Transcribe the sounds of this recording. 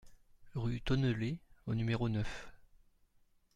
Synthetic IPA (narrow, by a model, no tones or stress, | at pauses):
ʁyt̪ɔnəleonymeʁonœf